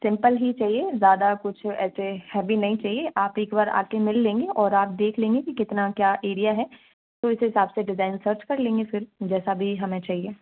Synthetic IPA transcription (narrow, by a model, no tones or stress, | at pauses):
sɪ̃mpəlɦit͡ʃaːɦiezjaːd̪akʊt͡ʃʰɛːsehɛːbʱinɐɦĩt͡ʃaːɦieʔaːpeːkbaːɾa̰ːkemɪlːẽːŋɡeʔɔːɾaːp̚d̪eːkʰlẽːŋɡekikɪt̪nakjaːʔeːɾijaɦɛː | t̪oɪsɦɪsaːbseɖɪzaːɪnsəɾt͡ʃkɐɾlẽːŋɡefɪɾd͡ʒɛːsabʱiɦɐmẽt͡ʃaːɦieː